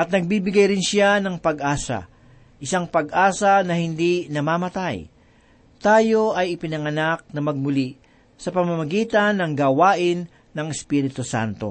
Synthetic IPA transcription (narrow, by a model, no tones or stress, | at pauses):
ʔɐt̪̚nɐɡ̚bibɪɡajɾɪnʃɪanɐŋpɐɡʔaːsɐ̰ | ʔɪsaŋpɐɡʔaːsɐnɐhɪnd̪inɐmamɐt̪aj | t̪aːjo̞ʔɐjɪpɪnɐŋɐnak̚nɐmɐɡ̚mʊli | sɐpɐmamɐɡiːt̪ɐnːɐŋɡawaːʔɪnː | ɐŋɛspiɾɪt̪osa̰nt̪o̞̰